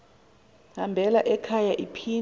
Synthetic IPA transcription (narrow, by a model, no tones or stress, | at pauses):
hambʱɛlaʔɛkʰajaʔipʰi